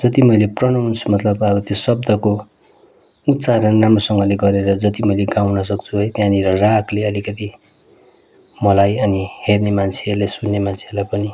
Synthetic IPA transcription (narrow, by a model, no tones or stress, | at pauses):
d͡zʌt̪imʌjleprʌnʌwnsmʌt̪lʌbʌɾut̪josʌb̚d̪ʌko | ut̪ːsaɾʌnamʌsʌŋɡʌleɡʌɾeɾʌd͡zʌt̪imʌjleɡawnʌsʌk̚t͡sʰuɦʌjt̪jãniɾʌrakʰleʌlikʌt̪i | mʌlajʌnihernemant͡sʰerlasunːemant͡sʰeʌlajpʌni